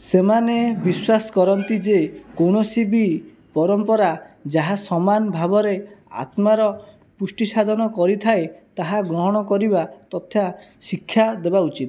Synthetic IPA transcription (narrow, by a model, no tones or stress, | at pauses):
semanebiswasɔ̥kɔɾɔnt̪id͡ʒekowɽ̃osibi | pɔɾɔmpɔɾad͡ʒaɦasɔmanbʱabɔɾea̰t̪maɾɔ | pusʈisad̪ʱɔnɔkɔɾit̪ʰaet̪aɦaɡɾɔɦɔɽ̃ɔkɔɾibat̪ɔt̪ʰja | sikʰːjad̪ebaut͡ʃit̪